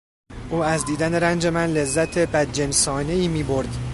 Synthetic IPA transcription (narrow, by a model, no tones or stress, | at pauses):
ʔuːæzd̪iːd̪æneɾænd͡ʒe̞mænle̞zːæt̪ʰe̞bæd̪̚d͡ʒensɒːne̞iːmiːbo̞ɾd̪̥